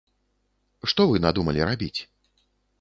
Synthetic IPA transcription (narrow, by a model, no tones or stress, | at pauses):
ʂt̪ɔvɨnad̪umɐlʲiɾabʲit͡sʲ